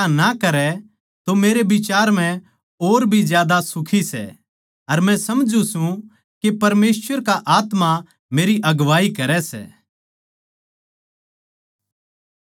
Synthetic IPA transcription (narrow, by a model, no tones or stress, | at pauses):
anakɐɾɛ | t̪omeːɾebɪt͡ʃaːɾm̤ɛ̃ | oːɾbʱizjaːd̪asʊkʰisɛ̰ | ɐɾmɛ̃sɐmd͡ʒũsũ | kepɐɾmeːsʋəɾkaʔaːt̪ma | meːɾiʔɐɡʋaːikɐɾɛsɛ̰ː